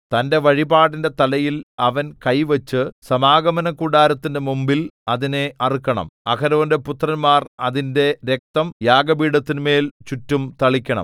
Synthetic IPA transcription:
t̪ɐnde̞ʋɐɻibaːɽinde̞t̪ɐlɐjilɐʋɐnkɐjʋɐt͡ɕːɨsɐmaːɡɐmɐnɐkuɽaːɾɐt̪ːinde̞mumbilɐðine̞ʔɐrikʲːɐɳɐ̰mɐ̰kʰɐɾɐʋɐnde̞put̪rɐnmaːrɐðinde̞ɾek̚t̪ɐmjaːɡɐbiːɽɐt̪ːinme̞ːlt͡ɕutːumt̪ɐɭikʲːɐɳɐ̰m

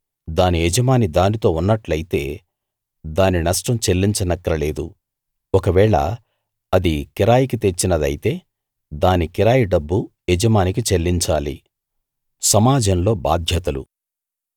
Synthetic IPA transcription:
d̪aːniɛd͡ʒɐmaːnid̪aːnit̪o̞ːunːɐʈlɐjit̪e̞ː | d̪aːninɐʂʈɐmt͡ʃelːiɲt͡ʃɐnɐkːɐɾɐle̞ːd̪ṵ | ɔkɐʋɛːɭɐ̰ | ɐd̪ikiɾaːjikit̪e̞t͡ʃːinɐd̪ɐ̰jit̪e̞ː | d̪aːnikiɾaːjiɖɐbːu | ɛd͡ʒɐmaːnikit͡ʃelːiɲt͡ʃaːlḭ | sɐmaːd͡ʒɐnlo̞ːbaːd̪ʱjɐt̪ɐlṵ

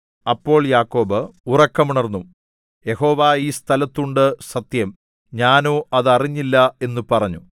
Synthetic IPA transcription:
ɐpːo̞ːɭjaːkːo̞ːbɨurɐkːɐmuɳɐrnːum | je̞ho̞ːʋaiːst̪ʰɐlɐt̪ːuɳɖɨsɐt̪jɐm | ɲaːnoːʔɐðɐriɲːilːɐe̞nːupɐrɐɲːu

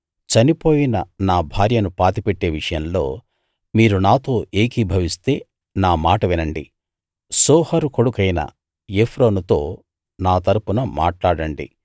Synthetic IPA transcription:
t͡ʃɐnipo̞ːjinɐ̰naːbʱaːɾjɐnupaːt̪ipeʈːe̞ːʋiʂɐjɐmlo̞ː | miːɾunaːt̪o̞ːʔe̞ːkibʱɐʋist̪e̞ː | naːmaːʈɐʋɛnɐɳɖḭ | sɔːhɐɾuko̞ɽukɐjnɐ̰ | epʰɾoːnut̪o̞ː | naːt̪ɐɾupunɐma̰ːʈlaːɽɐɳɖḭ

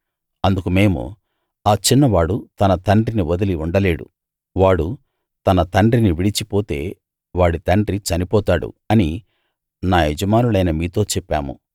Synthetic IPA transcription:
ɐnd̪ukume̞ːmṵ | aːt͡ʃinːɐʋaːɽut̪ɐnɐt̪ɐɳɖriniʋod̪ɐliuɳɖɐle̞ːɽṵ | ʋaːɽu | t̪ɐnɐt̪ɐɳɖɾiniʋiɽit͡ʃipoːt̪e̞ː | ʋaːɽit̪ɐɳɖɾit͡ʃɐnipɔːt̪aːɽṵɐni | naːɦed͡ʒɐmaːnulɐjnɐmiːt̪o̞ːt͡ʃɛpːa̰ːmṵ

